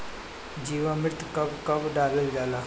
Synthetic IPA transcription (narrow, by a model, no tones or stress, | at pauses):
d͡ʒiːʋamɪɾt̪ʰkɐbkɐbɖaːləld͡ʒaːlaː